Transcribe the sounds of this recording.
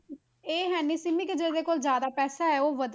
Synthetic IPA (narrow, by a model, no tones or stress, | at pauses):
eːɦɛːniːsɪmɪkd͡ʒeːd̪eːkoːlzjaːd̪aːpɛːsaːɛːoːʋəd̪